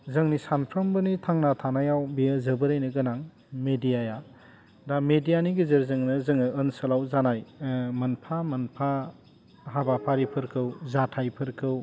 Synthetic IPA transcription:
zɯŋnisanpʰɾɐmbɯnitʰaŋnatʰanajawbijəzɯbɯɾajnɯɡɯnaŋ | medijaja | damedijaniɡizɯɾzɯŋnɯzɯŋɯɯnsɯlawzanajmɐnpʰamɐnpʰa | ɦabapʰaɾipʰɯɾkʰɯwzatʰajpʰɯɾkʰɯw

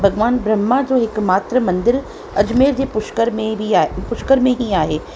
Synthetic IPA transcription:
bʱɐɡʋaːnbɾɐmːad͡ʑoːɦɪkmaːt̪ɾəmɐ̃nd̪ɪɾ | ɐd͡ʑmeːɾd͡ʑeːpʊʃkəɾmẽbʱipʊʃkəɾmẽɦĩaːɦeː

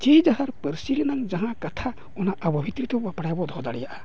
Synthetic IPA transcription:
t͡ʃɛd͡ʒaɦaɾpəɾsiɾɛnaŋd͡ʒaɦãkat̪ʰa | ɔnaʔəbɔbʱit̪ɾit̪ɔbɔapaɽajabɔd̪ʱɔd̪aɽɛjaʔa

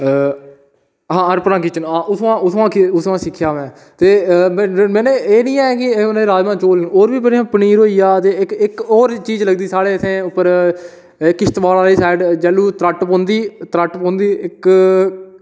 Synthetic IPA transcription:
ɦãːəɾpnãːkɪt͡ʃənaːʔʊsʋãːʔʊsʋãːkʊsʋãːsɪkʰːjaːʋɛ̃ː | t̪eːmmɛ̃ːneːeːnĩːɛːkɪneːɾaːd͡ʒmãːt͡ʃoːlːoːɾʋiːpənĩːãːpəniːɾoːiːjaːt̪eːɪkɪkɔːɾt͡ʃiːd͡ʒləɡd̪iːsaːɽeːəsʰẽːʊpːəɾ | ɪkːɪʃt̪ʋaːlaːɾiːsɛːɪɖd͡ʒɛːlːuːt̪ɾəʈpõːnd̪iːt̪ɾəʈpõːnd̪iːʔɪk

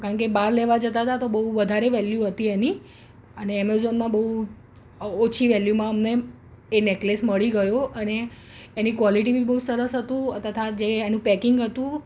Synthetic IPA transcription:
kaɳkebaɾleʋad͡ʒət̪at̪at̪obəɦuʋəd̪ʱaɾeʋɛljuɦət̪ieni | əneɛmezonmãbəɦu | ot͡ʃʰiʋɛljumãəmneː | neklesməɭiɡəjoʔəneː | nikʋɔliʈ̬ibʱibəɦusəɾəsɦət̪ũət̪ʰət̪ʰad͡ʒeːnũpɛkɪŋɡɦət̪ũ

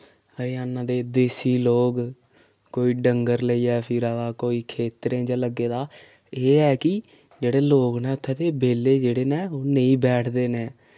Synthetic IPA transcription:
əɾiːaːnãːd̪eːd̪eːsiːloːɡ | koːiːɖəŋɡəɾləiːɛːpʰɪɾaːd̪aːkoːiːkʰeːt̪ɾẽːd͡ʒãːləɡːeːd̪aː | eːɦɛːkɪ | d͡ʒeːɽeːloːɡnɛːʊt̪ʰːɛːt̪eːbeːleːd͡ʒeːɽeːnɛːoːneĩːbɛːʈʰd̪eːnɛː

